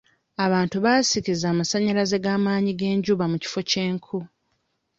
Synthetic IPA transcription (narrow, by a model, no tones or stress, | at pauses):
aβaːntuβaːsikizaːmasaɲalaze̞ɡaːmaːɲiɡe̞ːɲɟuːβamuci̥fo̞ce̞ːŋkʰu